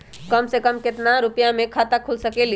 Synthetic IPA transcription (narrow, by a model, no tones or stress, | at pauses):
kəmsekəmkɪt̪naɾupjamẽkʰat̪akʰulsəkeli